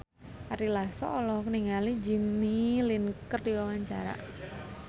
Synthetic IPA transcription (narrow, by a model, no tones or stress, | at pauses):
aɾilasɔ̰ʔɔlɔhkəniŋalid͡ʒimilinkərdiwawaɲt͡ʃa̰ɾa̰